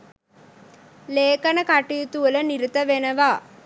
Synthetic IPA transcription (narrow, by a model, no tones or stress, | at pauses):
leːkɐnəkaʈijut̪uʋələniɾit̪əʋenəʋaː